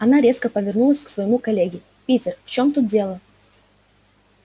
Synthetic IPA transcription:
ɐnaɾʲe̞skəpəvʲɪrnulˠəsʲksvəjɪmukɐlʲeɡʲɪ | pʲitʲɪrft͡ɕo̞mt̪ut̪̚dʲe̞lˠə

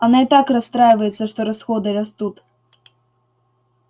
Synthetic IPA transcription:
ɐnait̪akrɐst̪ɾajɪvɐjɪt̪sːɐʂt̪ɔɾɐsxɔd̪ɨrɐst̪ut̪

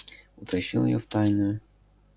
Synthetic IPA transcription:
ʊt̪ɐɕːḭlˠjɔ̰ft̪ajnʊjʊ

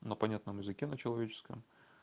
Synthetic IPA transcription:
nəpɐnʲat̪nəmjɪzɨkʲenət͡ɕɪlˠɐvʲet͡ɕɪ̥skə̰m

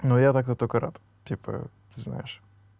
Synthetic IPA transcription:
nujat̪ak̚t̪ət̪okəɾa̰t̪ | t̪ʲipə̰ | t̪ɨzna̰jɪʂ

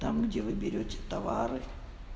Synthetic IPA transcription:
t̪amɡdʲevɨbʲɪɾʲotʲɪ̥t̪ɐvaɾɨ

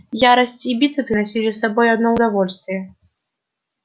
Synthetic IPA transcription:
jaɾɐsʲt͡sʲibʲit̪ɨpɾɨnasʲilʲisabɔjad̪nɔwd̪avɔlʲst̪vʲijɛ

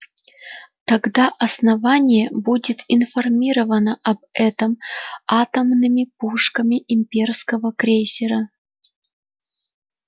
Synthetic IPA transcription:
t̪ɐɡd̪aʔɐsnɐvanʲɪjəbudʲɪt̪ɪnfɐrmʲiɾəvənəʔɐbɛt̪əmat̪əmnɨmʲɪpuʂkəmʲɪʔɪmʲpʲerskəvəkɾʲesʲɪɾə

